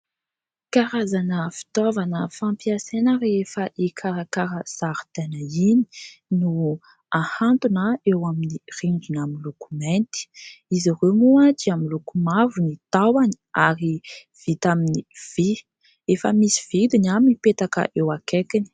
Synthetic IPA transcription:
kaɾazanəfi̥t̪ovanəfãmpiasenəɾefəʔikʰaɾakaɾəz̥aɾt̪enəini̥nu | ahant̪unaewaminiriɳd͡ʒinaminlukument̪i̥iziɾemuat̪iaminlukumavunit̪awani̥aɾi | v̥it̪aminiv̥i | efə̰misi̥v̥id̪inaminipet̪akə̰ʔewakekini̥

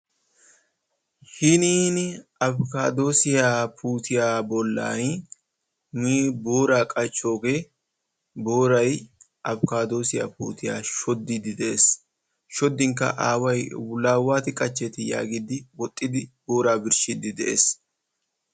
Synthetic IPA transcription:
hɪniːnɪɐbkaːd̪o̞ːsɪjaːpʰuːt̪ɪjaːbɔlːa̰ːn | niːboːɾaːkʼɐt͡ʃʼːo̞ːɡɛ | bo̞ːɾɐj | ʔɐbkaːd̪o̞ːsɪja̰ːpṵːt̪ʰɪja̰ːʃɔd̪ːɪd̪ɪd̪ɛʔeːs | ʃɔd̪ːɪŋkːɐ̰ʔaːwɐjwlaːwaːt̪ɪkʼɐt͡ʃːɛt̪ɪja̰ːɡɪd̪ɪwɔt̪ʼːɪd̪ɪbo̞ːɾaːbɪɾʃɪd̪ɪd̪ɛʔḛːs

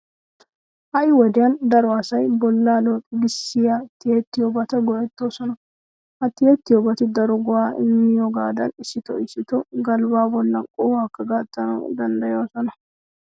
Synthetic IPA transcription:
ʔɐʔɪwɔd̪ɪjɐnd̪ɐɾʊwaːsɐjbɔlːaːloːkʼɪɡɪsːɪjat̪ːɪjɛt̪ːɪjobɐt̪ɐɡɔʔɛt̪ːosɔnɐ | ʔɐt̪ːɪjɛt̪ːɪjɔbɐt̪ɪd̪ɐɾɔɡɔaːʔɪ̰mːɪjɔɡaːd̪ɐnɪsːɪt̪ɔɪsːɪt̪ɔɡɐlbaːbɔlːɐnkʼɔhɐkːɐɡat̪ʼːɐnɐ̰d̪ɐnd̪ɐjoːsɔnɐ

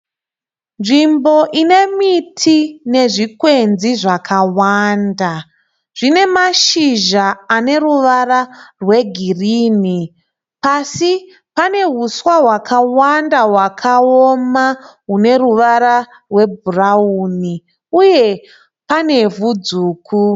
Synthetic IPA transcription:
nʐimbo̞ʔine̞mitʰine̞ʐikwe̞nziʐakʰawaːnda | ʐ̥ine̞maʃiʒaːne̞ɾuʋaɾarwe̞ɡʱiriːni | pasi | pane̞ɦuswaɦwakawandaɦwakʰaomaɦune̞ruʋaɾa | rwe̞bʱurauːni | uje̞ | pane̞vud͡zuːkʰu

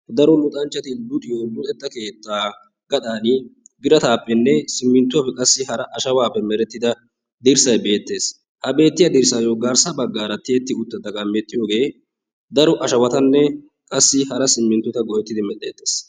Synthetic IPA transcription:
d̪ɐɾɔlʊt̪ʼɐnt͡ʃːɐt̪ɪd̪ʊt̪ʼɪjoːd̪ʊɛd̪ːɐke̞ːt̪ːaː | ɡɐd̪aːnɪbɪɾɐt̪aːpʼːɛnːɛsɪmːɪnt̪ːʊɐpːɛkʼɐsːɪhɐɾɐʔɐʃɐwaːpːɛmɛɾɛt̪ːɪd̪ɐ | d̪ɪɾsɐjbe̞ːt̪ːe̞ːs | hɐbe̞ːt̪ːɪjɐd̪ɪɾsaːjoɡaːɾsɐbɐɡːaːɾɐt̪eːt̪ːɪʊt̪ːɐd̪ɐɡɐmɛt̪ʼːɪjoːɡe̞ː | d̪ɐɾɔʔɐʃɐwɐt̪ɐnːɛ | kʼɐsːɪhɐɾɐsɪmːɪnt̪ːɔt̪ɐɡɔʔɛt̪ːɪd̪ɪmɛt̪ːe̞ːt̪ːe̞̥ːs

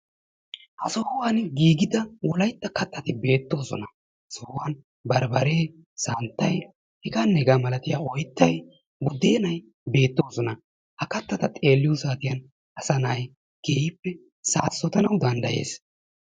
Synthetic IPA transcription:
ʔɐsɔhʊwaːnɡiːɡɪd̪ɐwɔlɐjt̪ːɐkɐt̪ʰʼːɐt̪ɪbe̞ːt̪ːo̞ːsɔ̰nɐ | ɐsɔhʊwaːn | bɐɾbɐɾeː | saːnt̪ːɐj | hɪɡanːɛɡamɐlɐt̪ɪjaːɔjt̪ːɐj | bʊd̪ːeːnɐj | be̞ːt̪ːo̞ːsɔnɐ | hɐkɐt̪ːɐt̪ɐt̪ʼe̞ːlːɪjusaːt̪ɪjɐn | ɐsɐnaj | ɡ̥eːɪpːɛ | saːsːɔt̪ɐnɐwd̪ɐnd̪ɐje̞̰ːs

